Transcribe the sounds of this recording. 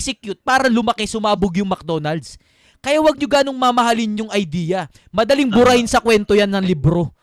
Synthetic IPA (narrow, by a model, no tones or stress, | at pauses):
sɛkjut̪̚paːɾɐlʊmɐkesʊmaːboɡjʊŋmɐk̚d̪onɐld̪s | kɐjawɐɡ̚ɲʊɡaːnoŋmamɐɦalɪnjʊŋɐjd̪iːjɐ | mɐd̪ɐliŋbʊɾahɪnsɐkwɛnt̪o̞janːɐŋlibɾo̞